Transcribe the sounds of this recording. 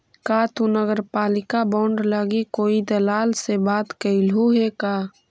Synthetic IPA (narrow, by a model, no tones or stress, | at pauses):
kat̪unəɡəɾpaːlɪkabɔːɳɖləɡikoːid̪əlaːlsebaːt̪kəɪlɦuɦekaː